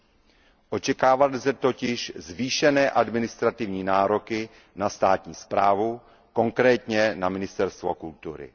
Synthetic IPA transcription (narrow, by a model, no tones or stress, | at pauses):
ʔo̞t͡ʃɛkaːvalɪzɛt̪o̞cɪʃzviːʃɛnɛːʔadmɪnɪst̪ɾat̪ɪvɲiːnaːɾokɪ | nast̪aːt̪ɲiːspɾa̰ːvu | ko̞ŋkɾɛːt̪ɲɛnamɪnɪst̪ɛɾst̪vokult̪uɾɪ̰